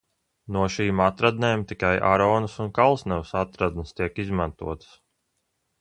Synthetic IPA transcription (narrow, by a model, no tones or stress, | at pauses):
nuɔʃiːmat̪ɾad̪neːmt̪ikajʔa̰ɾɔːnəsunkalˠsnɛwsat̪ɾad̪nəst̪iɛkizmant̪ṵɔt̪ə̥s